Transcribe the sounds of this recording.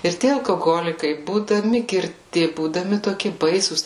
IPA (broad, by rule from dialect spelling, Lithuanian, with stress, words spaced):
ɪr ˈtʲiɛ ɐlˠkoːˈɣoːlʲɪkɐɪ buːdɐˈmʲɪ ɡʲɪrʲˈtʲɪ buːdɐˈmʲɪ toːˈkʲɪ ˈbɐɪsuːs